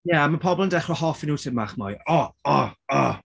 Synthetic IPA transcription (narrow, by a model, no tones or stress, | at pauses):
jɛamapʰɔbɔlˠəndɛχrɔhɔfɪnuːtʰɪmaχmɔjɔɔɔ